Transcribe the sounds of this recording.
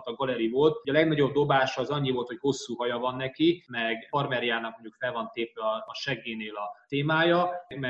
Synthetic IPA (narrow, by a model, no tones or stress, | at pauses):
t̪ɒŋɡɒlɛɾivo̞lt̪ɟɒlɛɡnɒɟo̞b̚d̪o̞baːʃːzɒɲːivo̞lt̪ho̞cho̞sːuːɦɒjɒvɒnːɛkimɛɡpɒrmɛɾijaːnɒk̚moɲɟukfɛlvɒnt̪eːpɛɒːʃɛɡeːneːlɒt̪eːmaːjɒɡmɛ